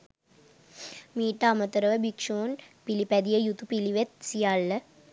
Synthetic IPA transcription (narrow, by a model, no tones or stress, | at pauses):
miːʈːaːmɐt̪ɐɾɐʋəbikʂoːnpilipæd̪ijəjut̪upiliʋet̪̚sijalːɐ